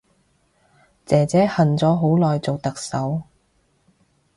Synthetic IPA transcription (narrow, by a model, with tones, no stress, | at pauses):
t͡sɛː˨t͡sɛː˨˥hɐ˨nt͡sɔː˨˥ɦo˨˥wlɔː˨jt͡so˨wt̪ɐ˨k̚sɐ˨˥w